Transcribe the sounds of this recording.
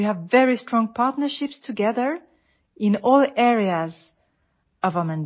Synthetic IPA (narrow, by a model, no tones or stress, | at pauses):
iævːɛɹistɹ̥ɔ̃ŋpʰɑɹtnə˞ʃɪpstʰɨɡɛðə˞ | ɪ̃nɔlˠɛɹiaz | ʌvəmə̃n